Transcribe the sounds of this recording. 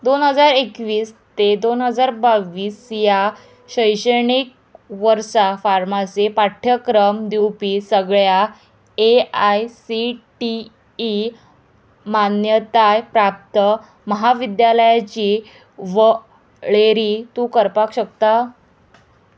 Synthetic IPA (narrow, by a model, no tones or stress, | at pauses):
d̪onɦəd͡zaɾekʋiːst̪ed̪onɦəd͡zaɾbaʋiːsja | ɕəjɕəɳik̚ | ʋəɾsafaɾmasepaʈʰjəkɾəmd̪iwpiːsəɡɭja | eajsiʈi | ʈː | manjət̪ajpɾap̚t̪ə | məɦaʋid̪jaləjat͡ɕiː | ʋə | ɭeɾiːt̪uːkəɾpakɕək̚t̪a